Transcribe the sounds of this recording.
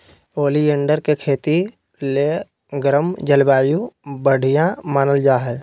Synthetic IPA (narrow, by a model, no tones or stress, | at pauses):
oːlieːɳɖəɾkekʰeːt̪i | le | ɡɾəmd͡ʒəlbaːjubəɽ̤ʱijãmaːnəld͡ʒaːɦɛ